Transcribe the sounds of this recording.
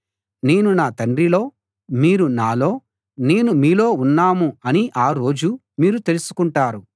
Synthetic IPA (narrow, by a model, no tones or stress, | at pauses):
ne̞ːnunaːt̪ɐɳɖɾilo̞ː | miːɾunaːlo̞ː | ne̞ːnumiːlo̞ːunːaːmuɐniʔaːɾo̞ːd͡ʒu | miːɾut̪e̞lusu̥kuɳʈaːɾu